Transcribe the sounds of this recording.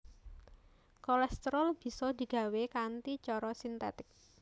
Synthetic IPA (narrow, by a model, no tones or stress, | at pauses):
kɔlɛst̪ɾɔlb̥i̤sɔd̪̥i̤ɡ̥ä̤wekant̪it͡ʃɔɾɔsint̪ɛ̰t̪ɪk̚